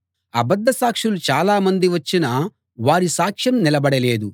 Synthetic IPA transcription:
ɐ̰bɐd̪ːɐsaːkʂulut͡ʃaːlaːmɐnd̪iʋɐt͡ʃːinɐ | ʋaːɾisaːkʂjɐmnilɐbɐɽɐle̞ːd̪u

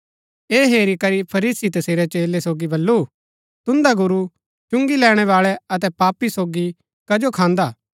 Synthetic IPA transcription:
eːɦeːɾikɐɾipʰɐɾiːsit̪ɐseːɾɛt͡ʃeːlesoːɡibɐlːu | t̪ʊ̃nd̪aɡʊɾu | t͡ʃʊ̃ŋɡilɛːɽ̃ɛʋaːɭɛɐt̪̬ɛpaːpːisoːɡi | kɐd͡ʒokʰãːnd̪aː

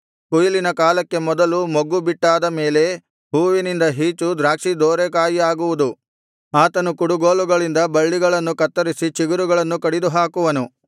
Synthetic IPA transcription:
kujilinɐkaːlɐkːe̞mɔd̪ɐlumoɡubiʈːaːd̪ɐme̞ːle̞ | ɦuːʋinind̪ɐɦiːt͡ʃud̪ɾaːkʂid̪oːɾekaːjiaːɡuʋud̪u | aːt̪ɐnukuɽuɡoːluɡɐɭind̪ɐbɐɭːiɡɐɭɐnːukɐt̪ːɐɾisit͡ʃiɡuɾuɡɐɭɐnːukɐɽid̪uɦaːkuʋɐnu

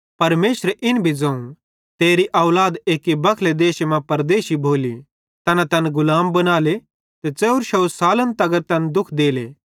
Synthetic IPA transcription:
pɐɾmeːsɾeʔɪnbʱid͡zɐ̃ũ | t̪eːɾiʔɐːlaːd̪eːkibɐkʰled̪eːʃmãpɐɾd̪eːʃibʱoːli | t̪ɐnat̪ɐnɡʊlaːmbɐnaːle | t̪et͡sɛːʊɾʃɐʊsaːlənt̪ɐɡəɾt̪ɐnd̪ʊkʰd̪eːlḛː

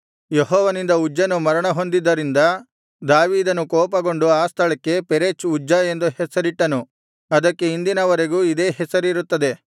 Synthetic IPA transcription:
jeɦɔːʋɐnind̪ɐud͡ʒːɐnumɐɾɐɳɐɦo̞nd̪id̪ːɐɾind̪ɐ | d̪aːʋiːd̪ɐnukɔːpɐɡo̞ɳɖuaːst̪ʰɐɭɐkːe̞peɾeːt͡ʃud͡ʒːɐe̞nd̪uhɛsɐɾiʈːɐnu | ɐd̪ɐkːe̞ind̪inɐʋɐɾe̞ɡuːid̪e̞ːɦɛsɐɾiɾut̪ːɐd̪e̞

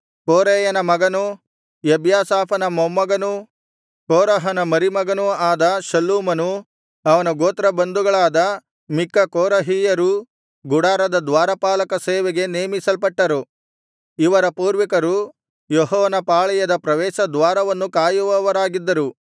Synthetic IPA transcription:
koːɾeːjɐnɐmɐɡɐnu | jebjaːsaːpʰɐnɐmɐmːɐɡɐnu | koːɾɐɦɐnɐmɐɾimɐɡɐnuaːd̪ɐʃɐlːuːmɐnu | ɐʋɐnɐɡoːt̪ɾɐbɐnd̪uɡɐɭaːd̪ɐ | mikːɐkoːɾɐɦiːjɐɾu | ɡuɽaːɾɐd̪ɐd̪ʋaːɾɐpaːlɐkɐseːʋeɡe̞neːmisɐlpɐʈːɐɾu | iʋɐɾɐpuːɾʋikɐɾu | jɔɦɔːʋɐnɐpaːɭɐjɐd̪ɐpɾɐʋɛːʃɐd̪ʋaːɾɐʋɐnːukaːjuʋɐʋɐɾaːɡid̪ːɐɾu

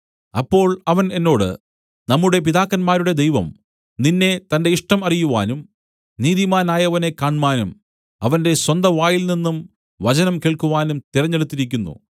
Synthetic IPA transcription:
ɐpːo̞ːɭɐʋɐne̞nːo̞ːɽɨ̰ | nɐmːuɽe̞p̬iðaːkːɐnmaːɾuɽe̞d̪ejʋɐ̰m | ninːe̞t̪ɐnde̞iʂʈɐmɐrijuʋa̰ːnum | niːðimaːnaːjɐʋɐne̞kaːɳmaːnum | ɐʋɐnde̞swɐnd̪ɐʋaːjilninːum | ʋɐt͡ɕɐnɐmkeːɭkuʋaːnumt̪iɾɐɲːeɽut̪ːiɾikʲːunːṵ

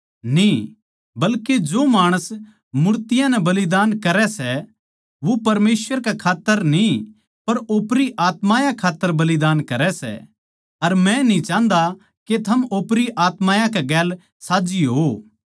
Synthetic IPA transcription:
nĩ | bɐlked͡ʒoːmaːɽ̃əs | mʊɾt̪ɪjãnɛbɐlɪd̪aːnkɐɾɛsɛ | ʋopɐɾmeːsʋəɾkɛkʰaːt̪ːəɾnĩ | pɐɾoːpɾiʔaːt̪mãːjãkʰaːt̪ːəɾbɐlɪd̪aːnkɐɾɛsɛ̰ | ɐɾmɛ̃nĩt͡ʃãːnd̪a | ket̪ʰɐmoːpɾiʔaːt̪maːjãkɛɡɛːl | saːd͡ʒiɦoː

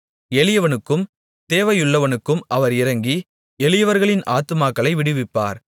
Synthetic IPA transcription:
ɛlɪjɐʋɐnɯkːɯm | t̪eːʋɐjʊɭːɐʋɐnɯkːɯmʔɐʋɐɾɪɾɐŋɡi | ɛlɪjɐʋɐɾɣɐɭɪnʔaːt̪ːɯmaːkːɐɭɐɪʋɪɽɯʋɪpːa̰ːɾ

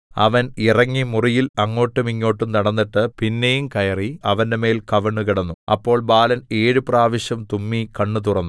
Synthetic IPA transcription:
ɐ̰ʋɐnirɐŋːimurijilɐŋːo̞ːʈːumiŋːo̞ːʈːumnɐɽɐnːiʈːɨpinːejumkɐjɐriɐʋɐnde̞me̞ːlkɐʋɐɳːukiɽɐnːuɐ̰pːo̞ːɭbaːlɐne̞ːɻupraːʋɐɕjɐmt̪umːikɐɳːut̪urɐnːu

